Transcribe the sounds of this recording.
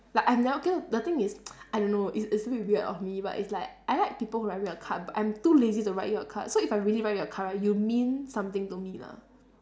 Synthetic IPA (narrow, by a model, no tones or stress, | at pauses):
laɪkãj̃mnaokenodət̪ɪ̃ŋɪsaɪdõnːoʔɪtsitsubiwitɔ̰fmiba̰tɪ̰tslaɪk̚ʔaɪlaɪk̚pipəlhuɹatjəkʰa̰baʔã̰j̃mtulezituɹaɪt̚jɔəkʰa̰soifaɪɹiəliɹaɪtjɔkʰaɹajumĩnsãmt̪ɪ̃ŋtumila̰